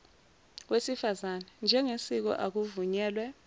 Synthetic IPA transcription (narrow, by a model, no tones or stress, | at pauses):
wesifazanɛnd͡ʒʱɛŋesik̬ɔ̰ʔak̬uvuɲɛːlwɛ